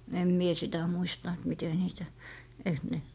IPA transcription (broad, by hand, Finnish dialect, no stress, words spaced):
em mie sitæ muistɑ et mite niːtæ eiks ne